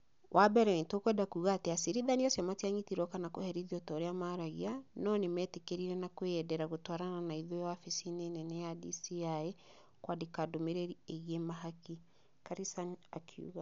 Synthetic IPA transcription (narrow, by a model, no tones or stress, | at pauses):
wʔabɛɾɛwintokwɛdakuːɣaːteasiɾiðaniasjɔmatiaɲitiɾɔkanakohɛɾiðiɔtɔːɾeamaɾaɣianɔnemɛtekeɾiɾɛnakoɛdɛɾaɣotwaɾananaiðowafisineːnɛnɛjadisiae | kwadikadomeɾeɾieɣiemaɦaki | kaɾisanakʰiṵɣa